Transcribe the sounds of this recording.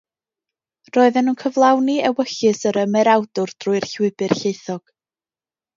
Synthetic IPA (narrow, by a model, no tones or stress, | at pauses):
roːɨðɛnunkʰəvlˠawniɛwəɬɨsəɾəmɛɾawdʊrd̥ruɨr̥ɬwɪbɨrɬeɨθɔɡ̥